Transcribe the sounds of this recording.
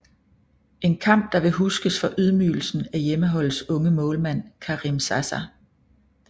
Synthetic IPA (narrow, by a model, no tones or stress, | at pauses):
e̝nkʰɑ̈m̰b̥̚d̥ɑ̈ʋe̝ɦusɡ̥əsfɒ̽ʔyð̞ˠmy̰ːl̩sn̩æjeməɦɒ̽l̰sɔ̽ŋəmɔ̽ːlmæn̰kʰɑʁimsæsæ